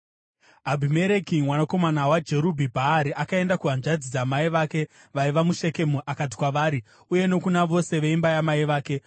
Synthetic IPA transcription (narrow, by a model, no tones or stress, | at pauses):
ɦabʱime̞ɾe̞kimwanako̞manawad͡ʒe̞ɾubʱibʱaaɾiʔakae̞ndakuʋanʐad͡zid͡zamaiʋaːke̞ | ʋaiʋamuʃe̞ke̞muʔakat̬i̥kwaʋaːɾi | uje̞no̞kunaʋo̞se̞ʋeimbajamaiʋaːke̞